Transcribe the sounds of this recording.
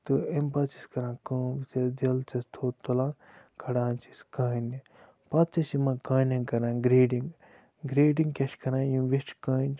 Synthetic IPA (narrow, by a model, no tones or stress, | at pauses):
t̪ɨempɐt͡si̥skɐɾãːkə̃ːʋit͡sɐd̪elt͡sɐst̪ʰoːt̪ːolãː | kʰɐɽãːnt͡ʃi̥skɐːni | pɐt͡sɐsimɐ̃kɐ̃ːnʲɐŋkɐɾãːɡɾeːɖĩŋɡ | ɡɾeːɖiŋɡkʲɐʃkɐɾãːjũʋisʈkɐːnt͡ʃ